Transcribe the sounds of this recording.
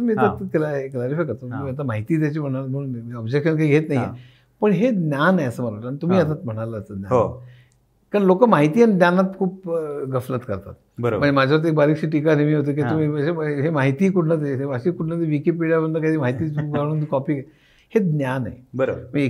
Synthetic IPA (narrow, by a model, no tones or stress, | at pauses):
əmiːt̪at̪klaɦeklaɾifajkəɾt̪oiət̪am̤aɦit̪iːt̪̬jat͡ɕiːm̤əɽ̃aləməɔbd͡ʑekɕənkaiɡʱet̪naɦije | pəɳɦed̪nʲjaneəsəːməɾaʈːanit̪um̤iːət̪at̪̚m̤əɽ̃aləːt͡səd̪nʲaɦo | kaɳlokəmaɦit̪iːanid̪nanat̪kʰuːp̚ɡəflət̪kəɾt̪a̰t̪ | bəɾm̤əɳd͡zemad͡ʑʱaʋaɾt̪̬ek̚baɾiːkɕiːʈikanemiːɦot̪̬eːk̬it̪umiːəɕeɦemaɦit̪iːkuʈʰnət̪̬eɦeəɕikuʈʰnət̪eʋikep̬iɽjabənd̪ʱəkad̪iːmaɦit̪iːɡaɽũːnkɔpiːe | hed̪njanḛbəɾom̤əe